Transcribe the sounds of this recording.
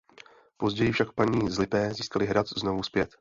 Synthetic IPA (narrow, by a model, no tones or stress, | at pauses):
po̞zɟɛjɪfʃakpaɲiːzlɪpɛːziːskalɪɦɾat̪zno̞vuspjɛt̪